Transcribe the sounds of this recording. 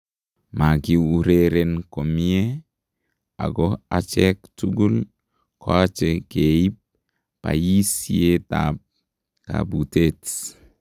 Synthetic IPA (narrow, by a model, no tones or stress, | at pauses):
maɡiuɾeɾenkomie | a̰ɡɔat͡ʃɛktuɡul | koat͡ʃɛkeip̚ | pa̰jisieta̰p̚ | ka̰butet